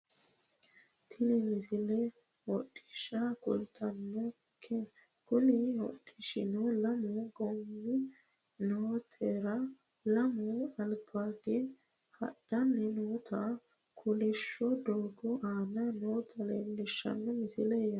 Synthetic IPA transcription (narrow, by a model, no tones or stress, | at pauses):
t̪ʰɪnɪmɪsɪlɛ | wɔɗːɪʃɐkʊ̰lt̪ʰɐnːɔ | kʰːɛ | kʊnɪwɔ̰ɗɪʃɪ̰nɔlɐmʊɡɔmːɪ | noːt̪ʰɛɾɐ | lɐmʊɐlbaɡɛ | hɐ̰ɗɐnːɛnoːt̪ʰɐ | kʰʊlɪʃːɔd̪oːɡɔʔaːnɐnoːt̪ʰɐlḛlɪʃːɐ̰nːɛmɪsɪlɛjɐ